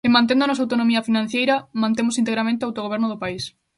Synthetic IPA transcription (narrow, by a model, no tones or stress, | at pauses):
ɪmãnt̪ẽnd̪oanɔs̬awt̪onomiɐfinãn̟θjejɾɐmãnt̪emʊsint̪eɣɾamẽnt̪eoawt̪oɣoβɛɾnʊðʊpais